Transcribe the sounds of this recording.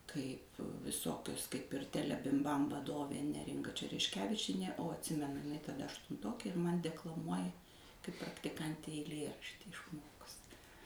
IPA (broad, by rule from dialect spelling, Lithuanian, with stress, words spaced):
ˈkɐɪp ʋʲɪˈsoːkʲʊs kɐɪp ɪr ˈtʲæːlʲɛbʲɪmˌbɐm ʋɐˈdoːʋʲeː ˈnʲæːrʲɪŋɡɐ t͡ʃʲɛrʲɛʃʲˈkʲæːʋʲɪt͡ʃʲiɛnʲeː oː ɐtʲˈsʲɪmʲɛnʊ tɐˈdɐ ɐʃtʊnˈtoːkʲeː ɪr mɐnʲ dʲɛklˠɐˈmuɔjɛ kɐɪp prɐktʲɪˈkɐnʲtʲɛɪ ɛɪˈlʲiɛrɐʃʲtʲiː ɪʃˈmoːkʊsʲ